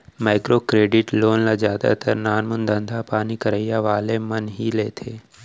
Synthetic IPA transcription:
maːɪkɾoːkɾeːɖɪʈloːnlad͡ʒaːd̪a̰t̪ɐɾnaːnmənd̪ə̃nd̪ʱapaːnikəɾəijaʋaːlemənɦileːt̪ʰeː

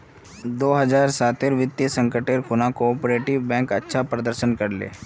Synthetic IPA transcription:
d̪oːɦɐzaːɾsaːt̪eɾʋɪt̪jəsə̃ŋkəʈeːɾkʊnakoːpɾeːʈɪʋbɛ̃ːŋkɐ̰tːʃʰapɾɐd̪əɾʃənkɐɾlḛː

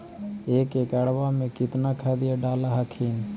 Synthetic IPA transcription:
eːkeːkɛɽʋaːmẽkɪt̪naːkʰaːd̪ɪjaɖaːlaɦəkʰiːn

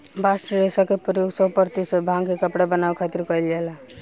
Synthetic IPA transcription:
basʈɾɾesakepəɾjoɡsəɦpəɾt̪isəbʱãŋkekəpɽabənabkʰat̪iɾkʌjljela

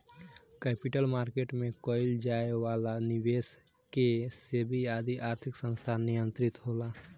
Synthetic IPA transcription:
kɛːpɪʈəlmaːɾkeːʈmẽkɔːɪld͡ʒaːeʋaːlaniweːs | kesebʱiaːd̪iʔaːɾt̪ʰɪksə̃nst̪ʰanijə̃nt̪ɾɪt̪ɦoːlaː

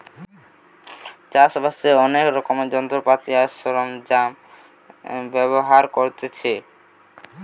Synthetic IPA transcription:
t͡ɕaʃbaseɔnekɾɔkomed͡ʑɔnt̪ɾopat̪iaʃoɾomd͡ʑam | bɛβoɦaɾkoɾt̪et͡ɕʰe

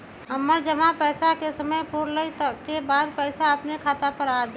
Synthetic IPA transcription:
ɦəmːəɾd͡ʒəmapəjsakesəməjpuɾləjt̪əkːebaːd̪pəɪsaəpnekʰaːt̪apəɾad͡ʒ

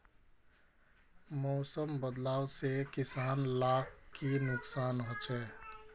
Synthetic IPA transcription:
mɔːsəmbəd̪laːwsekɪsaːnlakʰkːinʊksaːnɦot͡ʃɛː

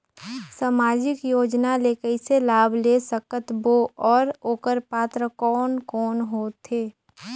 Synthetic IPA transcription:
saːmaːd͡ʒɪkjoːd͡ʒnaleːkəɪselaːbʱlesəkət̪boɔːɾoːkəɾpaːt̪ɾəkɔːnkɔːnɦoːt̪ʰeː

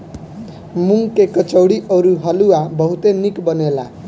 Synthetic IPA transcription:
muŋkekʌt͡sʌwɽiʔʌɾuɦʌluabʌɦut̪enikbʌnela

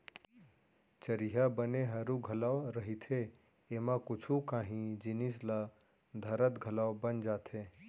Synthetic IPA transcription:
t͡ʃəɾiɦabəneɦəɾuɡʱəlawɾəɦit̪ʰe | emãkut͡ʃʰukaɦĩd͡ʒinisla | d̪ʱəɾət̪ɡʱəlawbənd͡ʒaːt̪ʰe

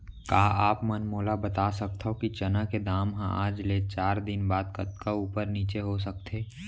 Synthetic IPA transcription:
kaːaːpmənmoːlabət̪asək̚t̪ʰɦokit͡ʃənaked̪aːmɦã̰ʔa̰ːd͡ʒleːt͡ʃaːɾd̪ɪnbaːd̪kət̪kauːpəɾniːt͡ʃeɦos̬ək̚t̪ʰeː

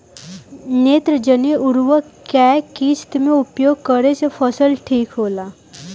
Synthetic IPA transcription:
net̪ɾəd͡ʑəniʔuɾʋəkakit͡st̪um̤iupjoɡ̚kəɾet͡səfəsəlʈʰiːkɦola

